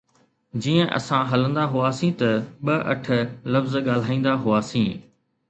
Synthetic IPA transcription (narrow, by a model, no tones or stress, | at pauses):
d͡ʑiːə̃ʔɐ̰sãɦɐlə̃nd̪aɦʊaːsĩt̪ɐɓɐʔɐ̰ʈ̆ʰlɐfzɠaːl̤aːĩːn̆d̪aɦʊaːsĩː